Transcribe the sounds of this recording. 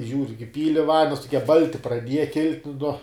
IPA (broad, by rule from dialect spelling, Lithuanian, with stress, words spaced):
ˈʒʲuːrʲʊ k ɪˈpʲiːlʲɪ ˈʋɐnʲdʲɛns tʊˈkʲiɛ ˈbɐlʲtʲɪ prɐˈdʲiɛjɛ ˈkʲɪlʲtʲ nuɔ